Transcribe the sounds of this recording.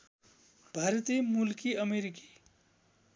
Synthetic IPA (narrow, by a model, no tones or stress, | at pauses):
bʱaɾt̪imulkiʌmeɾiki̥